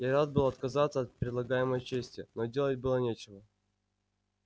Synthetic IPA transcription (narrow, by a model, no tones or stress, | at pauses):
jaɾad̪̚bɨlˠɐt̪kɐzat̪səɐt̪̚pʲɾʲɪd̪lˠɐɡajɪməjt͡ɕesʲtʲɪnodʲelˠət̚ʲbɨlˠənʲet͡ɕɪvə